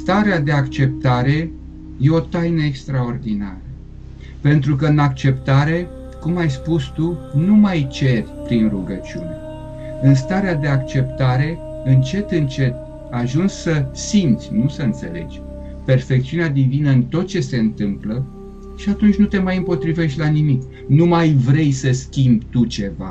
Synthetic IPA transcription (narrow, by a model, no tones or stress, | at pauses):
st̪aɾead̪e̞akt͡ʃe̞p̚t̪aɾe̞ | je̞o̞t̪ajnəekst̪ɾao̞rd̪ina̰ɾə | pe̞nt̪ɾuk̬əɨnakt͡ʃe̞pt̪aɾe̞ | kumajspust̪unumajt͡ʃe̞rʲpɾinruɡət͡ʃiṵne̞̰ | ɨnst̪aɾead̪e̞akt͡ʃe̞pt̪aɾe̞ | ɨnt͡ʃe̞t̪ɨnt͡ʃe̞t̪̚ | aʒunsʲsəsimt̪sʲnusəɨnt̪se̞̰le̞̰d͡ʒʲ | pe̞rfe̞k̚t̪siunead̪ivinəɨnt̪o̞t̪̚t͡ʃe̞se̞ɨnt̪ɨmplə | ʃiat̪unt͡ʃʲnut̪e̞majɨmpo̞t̪ɾive̞ʃt̪ʲlanimik | numajvɾe̞jsəskʲimbt̪ut͡ʃe̞va̰